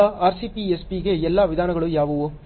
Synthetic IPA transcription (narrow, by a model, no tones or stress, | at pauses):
aaːɾsipiɛspiɣeɛlːaːʋɪðaːnɐŋɡɐɭɯ̃jaːʋɐʋõː